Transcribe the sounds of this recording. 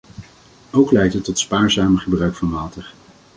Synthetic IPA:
owklɛjtɦətːɔtspaːɹzaːməχəbrœɥkfɑnʋaːtəɹ

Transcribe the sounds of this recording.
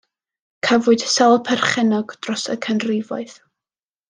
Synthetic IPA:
kʰəvʊɨd̥sɛlˠpʰɛrχɛnɔɡd̥rɔsə̰kʰənrɪvɔɨθ

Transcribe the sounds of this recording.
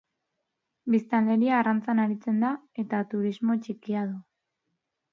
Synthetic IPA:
bist̪ald̪e̞ɾiaːrant͡sanaɾit͡se̞nd̪a | e̞t̪at̪uɾizmo̞t͡ʃikiað̞u

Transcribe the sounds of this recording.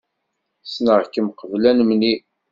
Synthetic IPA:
snəʁkəmqəvlænmni

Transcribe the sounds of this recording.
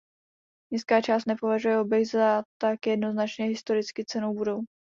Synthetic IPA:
ɲɪskaːt͡ʃaːs̬t̪nɛpo̞vaʒujɛo̞bjɛxzat̪akjɛdno̞znat͡ʃɲɛɦɪst̪o̞ɾɪt͡skɪt͡sɛnowbudow

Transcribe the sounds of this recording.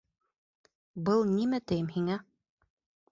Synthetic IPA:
bɤlˠnimæt̪ɘ̆jɘmhiŋæ

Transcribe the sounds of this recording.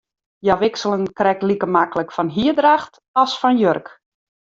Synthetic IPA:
jaʋɪksəlˠənkrɛk̚likəmakələkfɔnɦiədraxt | ɔsfɔnjørk

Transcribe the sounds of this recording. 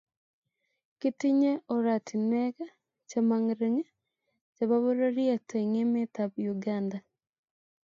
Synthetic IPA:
kitiɲeʔoɾatʰineɣa | t͡ʃamaŋiɾiŋa | t͡ʃaβaβoɾoɾiateŋemetaβjuɡaːnda

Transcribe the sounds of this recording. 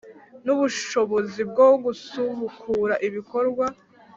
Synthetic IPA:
nuβuʃʃo̞βo̞zib̚ɡoɡusuβukʰuːɾaʔiβiko̞ɾɡwa

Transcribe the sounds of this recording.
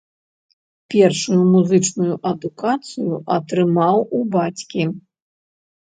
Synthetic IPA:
pʲɛrʂujumuzɨt͡ʂnujuʔɐd̪ukat̪sɨjuʔɐt̪ɾɨmawubat͡sʲkʲi

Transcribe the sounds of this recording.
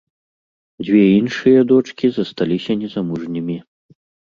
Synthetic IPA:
d͡zʲvʲɛinʂɨjɐd̪ɔt͡ʂkʲizɐst̪alʲisʲɐnʲɛzamuʐnʲimʲi

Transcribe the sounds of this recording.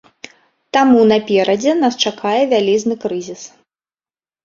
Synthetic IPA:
t̪amunɐpʲɛɾɐd͡zʲɛnast͡ʂakajɛvʲalʲiznɨkɾɨzʲis

